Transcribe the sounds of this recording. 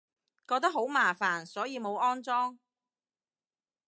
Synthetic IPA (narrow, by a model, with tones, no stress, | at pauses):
kɔː˧k̚t̪ɐ˥k̚ɦo˨˥wmaː˨˩faː˨˩nsɔː˨˥jiː˨˧mo˨˧wɔː˥nt͡sɔː˥ŋ